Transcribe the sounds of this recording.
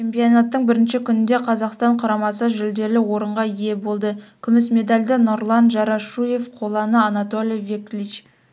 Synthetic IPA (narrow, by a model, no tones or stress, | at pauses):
t͡ʃʰe̞mpijonɑt̪ːəɴbɪɾɪnʃɪkʲʰʏnɪnd̪e̞qʰɑzɑqst̪ɑɴqʰʊɾɑmɑsəʒʏld̪e̞lɪwo̞ɾəɴʁɑije̞bo̞lˠd̪əkʲʰʏmɪsmʲe̞d̪alʲd̪ənoɾlˠɑnʒɑɾɑʃuje̞fqʰo̞lˠɑnəɑnat̪o̞lʲijvʲeklʲit͡ʃ